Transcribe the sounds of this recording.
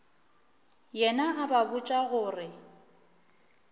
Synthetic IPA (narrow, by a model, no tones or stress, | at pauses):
jɛnaʔababʊt͡ʃʼaɣʊːrɪ